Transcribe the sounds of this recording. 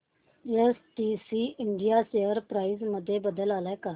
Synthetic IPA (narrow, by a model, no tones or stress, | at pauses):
eːsʈiːsiːʔɪɳɖijaːseːəɾpɾaːɪzməd̪ʱːjeːbəd̪əlaːlɛːkaː